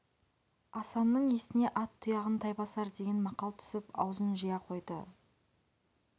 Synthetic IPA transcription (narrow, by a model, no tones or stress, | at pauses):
ɑsɑnːəɴe̞st̪ɪne̞ʔɑt̪ʰːʊjɑʁənt̪ʰɑjbɑsɑɾd̪e̞ɡʲenmɑqɑlˠt̪ʰʏ̥sɪpɑ̰wzənʒijɑqʰo̞jd̪ə